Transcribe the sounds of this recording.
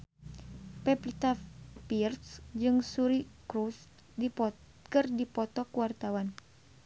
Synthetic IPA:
pɛpit̪apirt̪sd͡ʒɨŋsuɾikɾus | di | kɨrdipɔt̪ɔkuwart̪awan

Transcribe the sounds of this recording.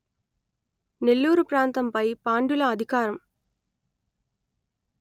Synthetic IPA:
nɛlːuːɾɯpɾaːnt̪ɐmpɐɪpaːɳɖɯlɐːd̪ʱɪkaːɾɐm

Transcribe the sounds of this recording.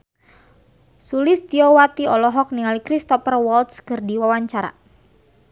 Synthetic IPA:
sulɪst̪iɔwat̪iɔlɔɦɔk̚niŋalikɾist̪ɔfərwɔlt̪skərdiwawaɲt͡ʃaɾa̰

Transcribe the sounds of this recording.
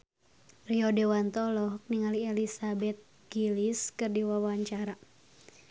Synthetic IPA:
riɔdɛwant̪ɔlɔk̚niŋaliɛlisabɛt̪̚ | ɡ̥iliskɨrdiwawaɲt͡ʃaɾa

